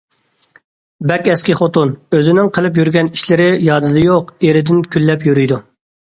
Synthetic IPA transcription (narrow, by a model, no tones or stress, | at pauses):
bɛkʲɛskʲiχot̪onøzɪnɪŋqʰəlˠɨpjyɾɡʲɛni̥ʃlɪɾɪjɑːd̪ɨd̪ɨjoqeɾɪd̪ɪnkʲʰylːɛpjyɾyjd̪u